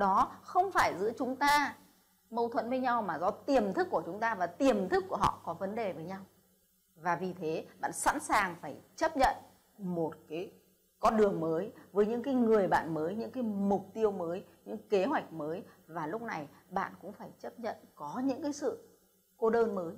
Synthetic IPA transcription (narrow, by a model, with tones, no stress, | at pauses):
ɗɔ˨˦xə˧wŋ͡mfaː˧˩jzɨ̰˧˥ət͡ɕʊ˨˦ŋ͡mt̪aː˧ | mə˧wt̪ʰwə̰˧˥nvəː˨˧˦jɲa˧wmaː˨˩zɔ˨˧˩t̪i˨˩əmt̪ʰɨ˦˥kːu˧˩ət͡ɕʊ˨˦ŋ͡mt̪aː˧vaː˨˩t̪i˨˩əmt̪ʰɨ˦˥kːu˧˩əɦɔ̰˧˨kɔ˨˦və˨˦nɗe˨˩vəː˨˦jɲa˧w | vaː˨˩vi˨˩t̪ʰe˨˦ɓa̰ː˧˨nsa̰ː˧˥nsaː˨˩ŋfaː˧˩jt͡ɕə˦˥p̚ɲə̰˧˨n | mo˨˩t̚kaː˨˦j | kɔ˨˦ɗɨ˨˩əŋməː˨˦jvəː˨˦jɲɨ̰˧˥ŋkaː˨˦jŋɨ˨˩əjɓa̰ː˧˨nməː˨˦jɲɨ̰˧˥ŋkaː˨˦jmʊ˨˩k͡p̚t̪i˧əwməː˨˦jɲɨ̰˧˥ŋke˨˦ɦwa˨˩jk̟̚məː˨˦jvaː˨˩lʊ˦˥k͡p̚na˨˩j | ɓa̰ː˧˨nkʊ̰˧˥ŋ͡mfaː˧˩jt͡ɕə˦˥p̚ɲə̰˧˨nkɔ˨˦ɲɨ̰˧˥ŋkaː˨˦jsɨ̰˧˨ | ko˧ɗəː˧nməː˨˦j